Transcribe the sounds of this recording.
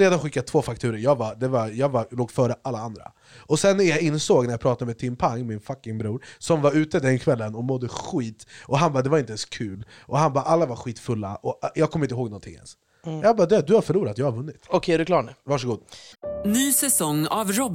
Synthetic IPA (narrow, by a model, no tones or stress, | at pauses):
ɾeːd̪anɧɪkːat̪ʰv̥oːfakt̪ʰʉːɾəɾjɑːɡvad̪ɛvajɑːɡvaloːɡfœːɾəʔalːaand̪ɾa̰ | ʔɔsɛnːæɾjaɪnsoːɡnæɾjapʰɾɑːt̪ad̪əmɛːt̪ʰɪmpʰaŋːmɪnfakːɪŋbɾuːɾsɔmvaɾʉ̟ːt̪əd̪ɛnkʰvɛlːənɔmɔd̪ːəɧiːt̪ʔɔɦanbɑːd̪ɛvaɾɪnt̪əɛnskʰʉ̟ːlʔɔɦanbɑːʔalːavaɾɧiːt̪fɵlːa̰ʔɔjɑːkʰɔmːɪnt̪əɦoːɡnɔnt̪ʰɪ̰ŋːɛ̰ns | jɑːbɑːd̪ɵad̪ɵhaɾfœɭuːɾat̪jɑːɡhaɾvɵnːɪt̪ɔkʰɛæɖɵkʰlɑːɳɛvɑːʂ̬əɡuːd̪nyːsɛsɔŋːavɾɔb